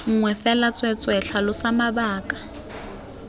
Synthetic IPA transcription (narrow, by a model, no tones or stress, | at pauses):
ŋ̩ŋwɛfɛlat͡sʼwɛt͡sʼwɛɬʰalʊsamabaːkʼḁ